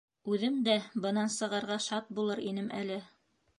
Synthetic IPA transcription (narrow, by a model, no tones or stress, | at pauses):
ʉðɘmd̪æbɤ̆nɑnsɤ̆ʁɑ̆ɾʁɑʃɑt̪̚bulˠɤɾinɘmʔæ̰lɘ